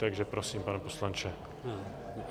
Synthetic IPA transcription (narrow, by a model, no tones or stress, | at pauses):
t̪aɡʒɛpɾosiːmpanɛposlant͡ʃɛ